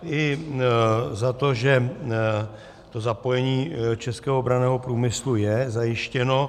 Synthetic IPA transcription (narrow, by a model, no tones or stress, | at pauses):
ʔɪ | zat̪o̞ʒɛ | t̪o̞zapo̞jɛɲiːt͡ʃɛskɛːɦoobɾanɛːɦo̞pɾuːmɪslujɛzajɪʃcɛno̞